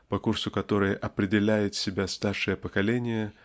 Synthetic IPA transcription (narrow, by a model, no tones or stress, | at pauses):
pɐkursʊkɐt̪o̞ɾɨjəʔɐpɾʲɪdʲɪlʲæjʊt̪sʲɪbʲast̪arʂɨjəpəkɐlʲenʲɪjə